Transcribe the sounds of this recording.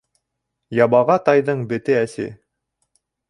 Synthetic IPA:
jɑbɑʁɑt̪ɑjðɤɴbɘ̆t̪ɘæsɘ̰

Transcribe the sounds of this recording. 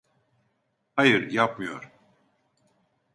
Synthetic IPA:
hajɯɾjap̚mɯjo̞̰ɾ̥

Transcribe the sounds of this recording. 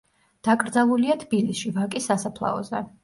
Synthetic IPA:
d̪̥akʼɾd̪zalˠuliat̪ʰb̥ilisʃivakʼisasapʰlˠa̰ɔ̰zɛ̰

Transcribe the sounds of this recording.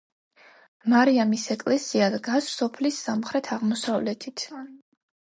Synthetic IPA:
maɾiamisɛkʼlɛsiad̪ɡassɔpʰlisːamχɾɛt̪ʰaʁmɔsavlɛt̪ʰit̪ʰ

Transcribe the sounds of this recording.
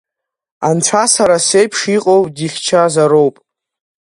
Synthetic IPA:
anʈ͡ʂʷʰasaɾasejpʰʂiqʼowʼdiχʲt͡ʃʰazaɾo̞wpʼ

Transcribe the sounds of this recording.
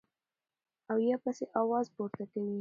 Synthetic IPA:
awjɑpaseʔɑwɑzpoɾt̪akəwi

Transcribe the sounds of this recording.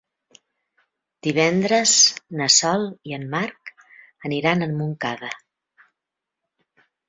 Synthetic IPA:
d̪̥iβ̞ɛnd̪ɾəznəsɔlˠiəmːark | əniɾanəmːuŋkaðə

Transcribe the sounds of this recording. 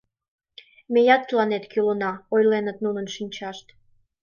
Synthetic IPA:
mejɑt̪ːlɑnet̪kylənɑojlenət̪̚nunə̆nʃinʲt͡ɕɑʃt̪

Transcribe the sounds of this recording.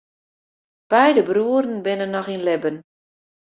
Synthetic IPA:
b̥ɛjdəbruəɾən̩bɪnənːɔxinlɪbən

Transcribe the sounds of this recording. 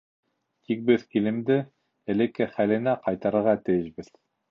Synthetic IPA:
t̪ik̚bɘðkilɘ̆md̪ɘ | ɘ̆lɘ̆kːɘχælɘ̆næqɑjt̪ɑɾɤ̆ɾʁɑt̪ɘ̆jɘ̆ʃbɘð

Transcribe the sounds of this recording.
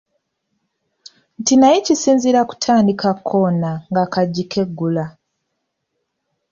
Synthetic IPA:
ntinajicisiːnziɾaku̥tʰaːndikakʰːoːnaŋɡakaɟːikʰe̞ɡːula

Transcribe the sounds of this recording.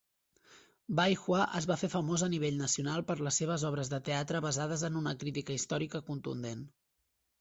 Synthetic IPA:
bajxwaʔəzβafefəmozəniβeʎnəsiunalˠpəɾləsːeβ̞əzɔβɾəzðət̪eat̪ɾəβəzað̞əzənunəkɾit̪ikəist̪ɔɾikəkunt̪ṵnd̪en

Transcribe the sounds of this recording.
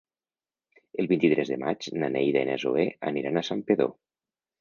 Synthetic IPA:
elˠβint̪it̪ɾɛzðemad͡ʒnanejðaenezoea̰niɾanasampeðo̰

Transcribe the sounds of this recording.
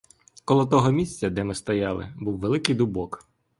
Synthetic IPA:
kɔlˠɔt̪̬ɔɦɔmʲisʲt͡sʲɐd̪ɛmɪst̪ɔjɑlˠɪ̰buwʋelˠɪkɪjd̪ubɔk

